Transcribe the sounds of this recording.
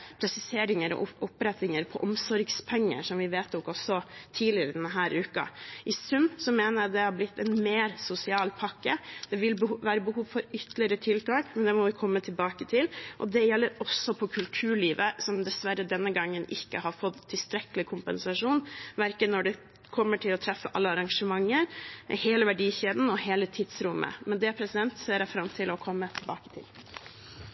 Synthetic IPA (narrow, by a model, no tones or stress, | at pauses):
pʰɾɛsɪseːɾɪŋəɾɔ̰ʔʊpɾɛt̪ɪŋəɾpʰɔʔɔmsɔɾɡspʰɛŋːə̰ʂɔmʋɪʋeːt̪ɔkɔsɔt̪ʰiːlɪəɾəd̪ɛnəɦæːɾʉːkɑ̰ʔɪsʉmːsɔmeːnəɾjæd̪ɛhɑblɪt̪ʰːɛnmeːɾsʊsɪɑːlpʰɑkːəd̪̥ɛʋɪlbʋæːɾəbəhuːʋfɔɾʏt̪lɪəɾət̪ʰɪlt̪ʰɑːkmɛnd̪ɛmɔʋɪkʰɔmːət̪ʰɪlbɑːkət̪ʰɪlʔɔ̰d̪ɛjɛlːəɾɔsːɔpʰɔkʰʉlt̪ʰʉːɭiːʋəsɔmd̪ɛsʋæɾəd̪ɛnːəɡɑŋːənʔɪkːəhɑɾfɔt̪ʰːɪlst̪ɾɛkəlɪkʰʊmpənsɑʂuːnʋæɾkənːɔɖɛ | kʰɔmːəʈʰɪlɔt̪ʰɾɛfːəʔɑ̰lːəɑɾɑŋʂəmɑŋːəɾheːləʋæɖiːçeːd̪n̩ɔheːlət̪ʰɪd̪sɾʊmːʔə̰mɛnd̪ɛpʰɾɛsɪd̪ɛnt̪seːɾɛfɾɑmt̪ʰɪlɔkʰɔmːət̪ʰɪlbɑːkə̥t̪ʰɪ̰l